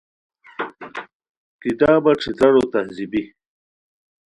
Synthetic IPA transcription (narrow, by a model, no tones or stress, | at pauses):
kit̪aːbɐʈ͡ʂʰit̪ɐɽot̪ɐhzibi